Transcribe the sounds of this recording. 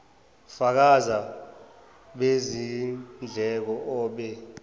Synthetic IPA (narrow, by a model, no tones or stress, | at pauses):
fak̬aza | ɓezind͡ɮʱɛk̬ɔʔɔːɓɛ